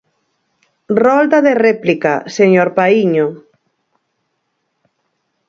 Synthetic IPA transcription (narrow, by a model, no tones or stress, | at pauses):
rɔlt̪aðerɛplikaseɲoɾpaiɲo